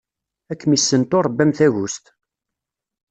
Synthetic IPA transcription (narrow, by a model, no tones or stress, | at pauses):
ækːmisːənt̪oɾˤəbːæmθæʝust̪